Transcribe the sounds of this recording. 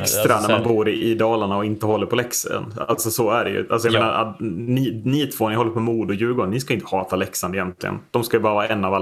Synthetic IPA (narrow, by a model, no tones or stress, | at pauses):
kst̪ɾanæɾmanbuːɾɪʔɪd̪ɑːlaɳaɔɪnt̪əhɔlːəɾpʰɔlɛksə̰na̰lt̪sɔsɔæɖɛjɵ̰ʔalsɔjameːnaɾa̰nɪnɪt̪ʰvoːnɪhɔlːəɾpːɔmuːd̪ʊjʉ̟ːɡɔɳɳɪskajɪnt̪ə̥hɑːt̪alɛksand̪ɛɪjɛnt̪lɪ̰ɡə̰nd̪̥ɔmskajɵbɑːɾavɑːɾaɛnːavalː